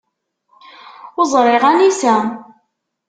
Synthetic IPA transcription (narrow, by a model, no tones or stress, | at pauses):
ʊzˤɾˤɪʁænisæ